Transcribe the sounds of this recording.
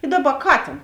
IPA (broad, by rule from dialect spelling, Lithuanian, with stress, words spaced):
ɪ ˈdɑːˌbɐ ˈkɑːtʲeːn